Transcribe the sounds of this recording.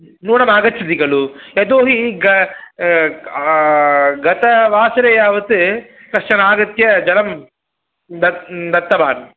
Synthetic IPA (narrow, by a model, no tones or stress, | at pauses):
nuːnɐmaːɡɐt͡ʃʰːɐt̪iɡɐɭujɐd̪oːɦiɡɐ | ɡɐt̪ɐʋaːsɐɾɐjaːʋɐt̪ɨ | kɐʂʂɐnaːɡɐt̪jɐd͡ʒɐlɐm | d̪ɐd̪ɐt̪ːɐbaːn